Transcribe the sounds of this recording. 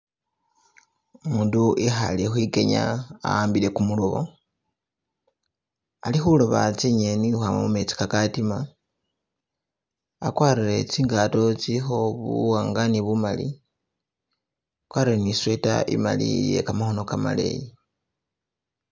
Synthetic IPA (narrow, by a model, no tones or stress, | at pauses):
muːnduʔexa̰lixwike̞ɲa̰a̰aːmbile̞kumuloβo̰ | alixuloβat͡siɲenixam̰mume̞t͡si̥kakatima | akwaːɾiɾe̞t͡siːŋɡato̞t͡silixo̞βuwaːŋɡaniβumalḭ | kwaːrireniswe̞ta̰ʔḭma̰lḭje̞̰kamaxo̞no̞kama̰le̞̰je